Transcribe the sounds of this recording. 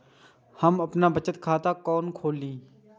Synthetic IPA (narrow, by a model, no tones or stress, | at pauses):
həməpnaːbət͡ʃət̪kʰaːt̪aːkɔːnkʰoːlĩː